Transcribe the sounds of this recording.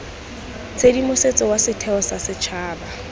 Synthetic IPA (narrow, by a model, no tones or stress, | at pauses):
t͡sʰedimʊset͡sʼɔwasɪtʰɛɔsasɪt͡ʃʰaːba